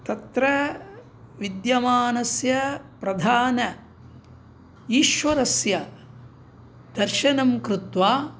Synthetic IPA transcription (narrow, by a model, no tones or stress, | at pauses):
t̪ɐt̪ɾɐ | ʋid̪jɐmaːnɐsjɐpɾɐd̪ʱaːnɐ | iːʃʋɐɾɐsjɐ | d̪̥ɐɾʃɐnɐmkɾut̪ʋaː